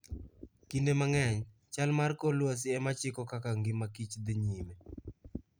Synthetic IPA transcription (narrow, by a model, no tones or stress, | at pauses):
kindemaŋɛɲ | t͡ʃalmarkolwas̬ɪɛmat͡ʃɪkɔkakaŋɡɪmakit͡ʃd̪ɪɲime